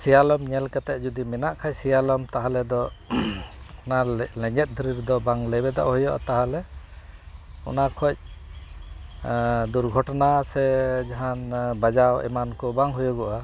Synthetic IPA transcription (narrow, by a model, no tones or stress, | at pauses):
sijalɔmɲɛlkat̪aʔ̚d͡ʒɔd̪imɛnaʔkʰac̚sɛjalɔmt̪aɦalɛd̪ɔ | ɔnalɛɲɛt̪̚ˀd̪uɾiɾd̪ɔbaŋlɛbɛd̪a̰ʔɦɔjɔʔa̰t̪aɦalɛ | ɔ̰nakʰɔc̚ | d̪uɾɡʱɔʈɔnasɛd͡ʒaɦanbad͡ʒawɛ̰mankɔbaŋɦujɔɡɔʔa